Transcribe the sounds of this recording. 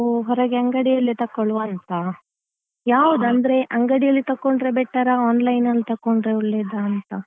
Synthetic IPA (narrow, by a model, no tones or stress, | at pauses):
ɦɔɾɐɡeɐŋɡɐɽijɐlːit̪ɐkːoɭuʋɐnt̪ɐ | jaːʋud̪ɐnd̪ɐɾe̞ʔɐŋɡɐɽijɐlːit̪ɐkːoɳɖɾebɛʈːɐɾɐaːnlɐjnɐlːit̪ɐkːoɳɖɾeuɭːed̪ɐːnt̪ɐ